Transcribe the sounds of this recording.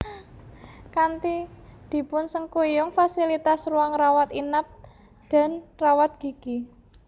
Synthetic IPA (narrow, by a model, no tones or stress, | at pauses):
kant̪id̪̥i̤pʊnsəŋkujʊŋfasilit̪asruaŋrawat̪inap̚ | d̪̥a̤nrawat̪̚ɡ̥i̤ki